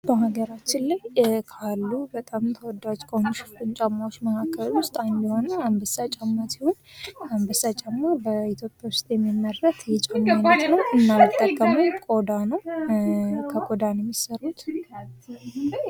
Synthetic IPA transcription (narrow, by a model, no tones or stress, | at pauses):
bəɦaɡəɾat͡ʃːɪnlajkʰalːubət̪ʼamt̪ʰəwɔd̪ad͡ʒkʰʼomʃfɨnt͡ʃʼamːawot͡ʃːməkʰakʰːəlwʊst̪ʼajmbiho̞nəambəsːat͡ʃʼamːasihonambəsat͡ʃʼamːabəit̪ʰjo̞pʼjawʊst̪ʼjɛmːimːərːət̪jɛt͡ʃʼamːanət̪nəwɨnːajt̪ʼːəɡəməwkʼo̞d̪anəw | kʰəkʼod̪anjɛmːisərut̪